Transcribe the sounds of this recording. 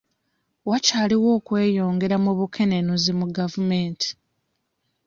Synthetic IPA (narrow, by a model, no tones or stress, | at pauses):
wacaːliwo̞ːkwe̞ːjo̞ːŋɡe̞ɾamuβukʰe̞nenuzimuɡavume̞ːntʰi̥